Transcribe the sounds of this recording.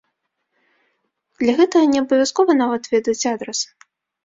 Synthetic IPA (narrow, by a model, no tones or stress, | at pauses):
d̪lʲɐɣɛt̪ɐɣɐnʲɛɐbɐvʲaskɔvɐnavɐt̪vʲɛd̪ɐt͡sʲad̪ɾɛs